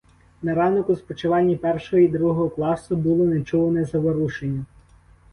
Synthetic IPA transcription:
nɐɾɑnɔkʊspɔt͡ʃɪʋɑnʲːɐpɛrʃɔɦɔid̪ɾuɦɔɦɔklˠɑsʊbʊlˠɔnet͡ʃuʋɐnɛzɐʋɔɾuʃenʲːɐ

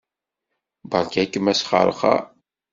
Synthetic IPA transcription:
bɑɾˤkækːəmæsχə̰ɾˤχɑ̰

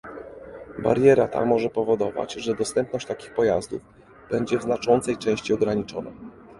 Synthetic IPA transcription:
ba̰ɾjɛɾat̪a̰mɔʐɛpɔvɔd̪ɔva̰t͡ɕʐɛd̪ɔst̪ɛmpnɔɕt͡ɕt̪akʲi̥xpɔjazd̪ṵv | b̥ɛɲd͡ʑɛvznat͡ʂɔnt̪sɛjt͡ʂɛ̃w̃ɕt͡ɕiɔɡɾaɲit͡ʂɔna̰

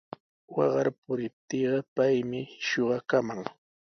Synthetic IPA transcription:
wɑɢɑɾpʊɾɪp̚t̪iːɢɑpajmɪʃoɢɑkamaŋ

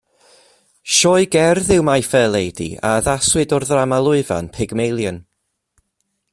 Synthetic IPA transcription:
ʃɔɨɡɛrðɪwmajfɛːlˠejdḭa̰əðaswɨdɔrðramalˠʊɨva̰npʰɪɡmejlˠjən

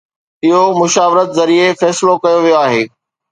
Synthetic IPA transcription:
ɪɦomʊʃaːʋɪɾət̪zɐɾiefɛːsɪlokɐjoʋijoaːɦeː

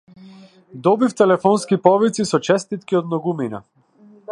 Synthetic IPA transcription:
d̪ɔbift̪ɛlɛfɔnskipɔvit̪sisɔt͡ʃɛst̪it̪kʲiɔd̪̚nɔɡumina̰

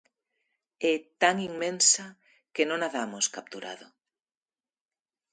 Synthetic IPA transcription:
ɛt̪aŋiŋmẽnsɐ | kenõŋaðamoskap̚t̪uɾa̰ðʊ̰

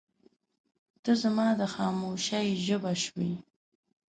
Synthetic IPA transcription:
d̪̥əzamɑːd̪əxɑːmoʃaiʒəbaʃwḭ

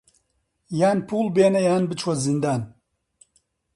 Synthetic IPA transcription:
jaːnpʰuːlˠbeːnɐjaːnbɨt͡ʃʰwɐzɨnd̪aːn

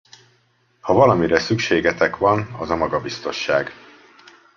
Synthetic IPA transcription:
hɒvɒlɒmiɾɛsykʃeːɡɛt̪ɛkʋɒnɒzɒmɒɡɒbist̪o̞nʃːaːɡ

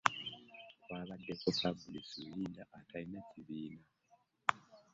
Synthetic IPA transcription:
waβadɛkɔsabulisujindaʔatʰainat͡ʃiβiːna

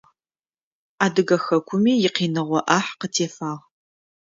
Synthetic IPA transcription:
aːdɨɣɐxɐkʷʰʊmiːjɪqiːnɨʁʷɔʔaħqətʰeːfaːʁ

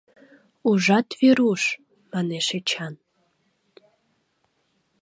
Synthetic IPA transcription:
uʒɑt̪βeɾuʃ | mɑneʃet͡ɕɑn

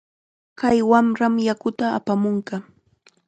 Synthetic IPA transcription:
kajwamɾamjakʊt̪a̰ːpamʊɴkɑ

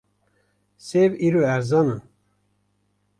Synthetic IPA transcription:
seviɾoæɾzɑnɨn

